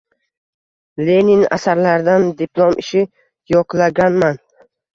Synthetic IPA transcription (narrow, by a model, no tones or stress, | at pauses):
leniŋa̰saɾlaɾd̪and̪ipʰlˠomʔɪʃɪ | jɒqlˠaɡʲanman